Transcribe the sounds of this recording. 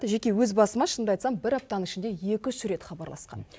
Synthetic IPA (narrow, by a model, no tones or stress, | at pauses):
ʒe̞kʲe̞wɵzbɑsəmɑʃənd̪ɑjt̪sɑmbɪɾɑp̚t̪ɑnəŋɪʃɪnd̪e̞je̞kʲɪsʏɾe̞t̪χɑbɑɾlˠɑ̰sqɑ̰n